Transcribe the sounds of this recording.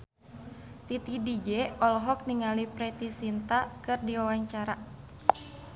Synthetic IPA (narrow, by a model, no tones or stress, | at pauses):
t̪it̪idid͡ʒɛɔlɦɔk̚niŋalipɾɛt̪isint̪akɨrdiwawaɲt͡ʃaɾa